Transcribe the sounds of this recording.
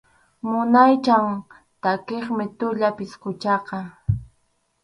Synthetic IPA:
mʊnajt͡ʃaŋ | t̪akeχmɪt̪ʊʎapɪskʊt͡ʃɑqɑ

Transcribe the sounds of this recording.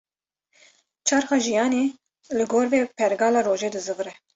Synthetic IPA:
t͡ʃʰɑːɾxɑːʒijɑːneː | lɨɡoːɾveːpʰɛɾɡɑːlɑːɾoːʒeːd̪ɨzɨɣɾɛ

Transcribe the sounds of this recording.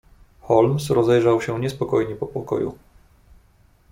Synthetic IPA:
xɔlmsɾɔzɛjʐawɕɛɲɛspɔkɔjɲɛpɔpɔkɔ̰jṵ

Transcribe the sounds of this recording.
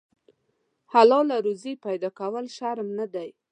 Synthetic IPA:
halɑlaɾuzipajd̪ɑkawəlʃaɾmnad̪aj

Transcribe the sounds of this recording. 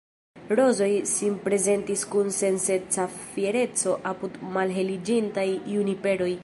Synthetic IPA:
ɾo̞zo̞jsinpɾe̞ze̞ntiskunse̞nse̞t͡safie̞ɾe̞t͡so̞ʔapudmalɦe̞lid͡ʒintajunipe̞ɾo̞j

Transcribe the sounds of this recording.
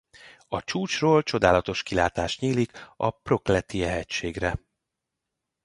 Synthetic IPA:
ɒt͡ʃuːt͡ʃroːlt͡ʃo̞d̪aːlɒt̪o̞ʃkilaːt̪aːʃt̪ɲiːlikɒ̰pro̞klɛt̪iɛɦɛct͡ʃʃeːɡrɛ

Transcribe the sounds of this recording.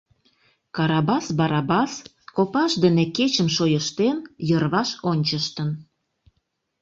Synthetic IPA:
kɑɾɑbɑsbɑɾɑbɑs | kopɑʃd̪ĕneket͡ɕəmʃojəʃt̪enjərβɑʃonʲt͡ɕəʃt̪ən

